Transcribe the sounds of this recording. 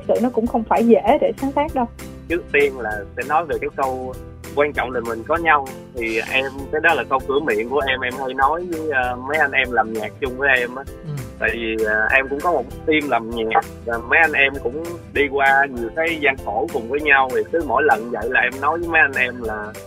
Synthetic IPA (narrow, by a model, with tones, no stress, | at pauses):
k̚sɨ̰˧˨nɔ˨˦kʊ̰˧˥ŋ͡mxə˧wŋ͡mfaː˧˩jzḛ˧˩˥ɗe˧˩saː˨˦ŋsaː˦˥k̚ɗə˧w | t͡ɕɨ˦˥k̚t̪i˧ənlaː˨˩sɛ̰˧˥nɔ˨˦jve˨˩kaː˨˦jkə˧w | kwaː˧nt͡ɕɔ̰˧˨wŋ͡mɗa˨˩mï˨˩ŋ̟kɔ˨˦ɲa˧w | t̪ʰi˨˩ʔɛ˧mkaː˨˦jɗɔ˨˦laː˨˩kə˧wkɨ˧˩əmḭ˧˨ənku˧˩əʔɛ˧mʔɛ˧mhə˧jnɔ˨˦jvəː˨˦jːmə˨˦jʔa˧nʔɛ˧mlaː˨˩mɲaː˨˩k̚t͡ɕʊ˧ŋ͡mvəː˨˦jʔɛ˧mʔaː˨˦t̪a̰ː˧˨jvi˨˩ʔəː˨˩ʔɛ˧mkʊ̰˧˥ŋ͡mkɔ˨˦mo˨˩t̚t̪i˧mlaː˨˩mɲaː˨˩k̚vaː˨˩mə˨˦jʔa˧nʔɛ˧mkʊ̰˧˥ŋ͡mɗi˧kwaː˧ɲɨ˨˩əkaː˨˦jzaː˧ŋxo˧˩kʊ˨˩ŋ͡mvəː˨˦jɲa˧wti˨˩k̪ɨ˨˦mo̰˧˥˨jlə˨˩nzə̰˧˨jlaː˨˩ʔɛ˧mnɔ˨˦jvəː˨˦jmə˨˦jʔa˧nʔɛ˧mlaː˨˩